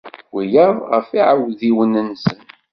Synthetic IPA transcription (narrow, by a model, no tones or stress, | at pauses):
wijəðˤʁəfiʕəwðiwənənsən